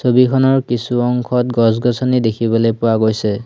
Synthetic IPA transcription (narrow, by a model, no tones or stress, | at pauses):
sobikʰɔnɔɹkisuɔŋkʰɔtɡɔs̬ɡɔsɔnidekʰibɔlojpʊwaɡojsɛ